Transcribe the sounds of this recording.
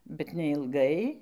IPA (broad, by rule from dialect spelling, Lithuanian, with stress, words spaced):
bʲɛt nʲɛɪlˠˈɡɐɪ